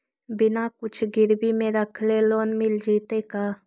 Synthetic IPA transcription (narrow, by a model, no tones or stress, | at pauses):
binakut͡ʃʰɡiɾbimeɾakʰlelonmild͡ʒit̪eka